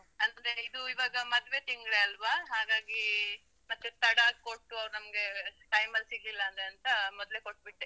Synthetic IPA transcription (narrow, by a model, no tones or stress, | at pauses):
ɐnd̪eid̪uiʋaːɡɐmɐd̪ʋe̞t̪iŋɡɭeɐlʋaɦaːɡaːɡi | mɐt̪ːet̪ɐɽaːkoʈːuɐʋɾunɐmɐɡe̞ʈɐjmɐlsiɡlilːɐːnd̪ɾeɐnt̪ɐmɔd̪le̞koʈ̚ːbiʈːe